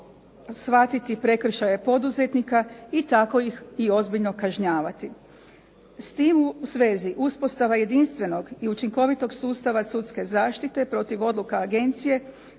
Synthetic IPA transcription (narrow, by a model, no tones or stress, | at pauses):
sʋat̪it̪ipɾe̞kr̩ʃaje̞po̞d̪uzet̪nikait̪ako̞jixio̞zbiʎno̞kaʒɲaːʋat̪i | st̪iːmuusʋe̞ːziʔuspo̞st̪aʋaje̞d̪inst̪ʋe̞no̞ɡiut͡ʃiŋko̞ʋit̪o̞ɡsuːst̪aʋasut̪ske̞zaːʃt̪it̪e̞pɾo̞t̪iʋo̞d̪lˠukaːɡe̞nt̪sije̞